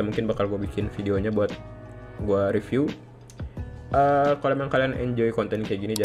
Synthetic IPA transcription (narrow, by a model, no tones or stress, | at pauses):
amuŋkɪnbakalɡuabikɪnfidioɲabuat̪̚ | ɡuaɾifju | ʔəkalomaŋkalianɛ̰ɲd͡ʒoikɔnt̪ɛnkajaɡinid͡ʒa